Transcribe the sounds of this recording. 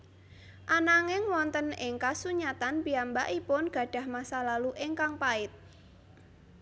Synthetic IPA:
ʔanaŋɪŋwɔnt̪ənɪŋkasuɲat̪anbiambaʔipʊnɡ̥ä̤ɖ̥a̤hmahsalaluʔɪŋkaŋpaɪt̪̚

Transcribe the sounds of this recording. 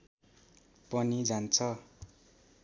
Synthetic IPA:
pʌnid͡zant͡sʰʌ

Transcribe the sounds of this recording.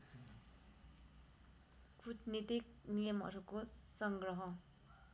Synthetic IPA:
kutnit̪ik̚nijʌmʌ̰ɾukosʌŋɡrʌɦʌ

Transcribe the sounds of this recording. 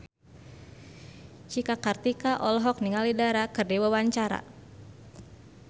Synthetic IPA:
t͡ʃikakart̪ikaʔɔlɦɔk̚niŋalidaɾakɨrdiwawaɲt͡ʃaɾa̰

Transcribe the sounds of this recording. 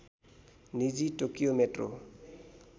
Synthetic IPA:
nid͡ʒitokiomɛtro̰

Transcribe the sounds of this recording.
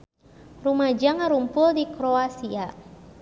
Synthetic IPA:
rumad͡ʒaŋaɾumpʊldikɾoasia

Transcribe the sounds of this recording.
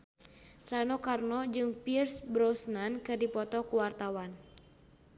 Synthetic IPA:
ranɔkarnɔd͡ʒɨŋpirsbɾɔsnankɨrdipɔt̪ɔkuwart̪awan

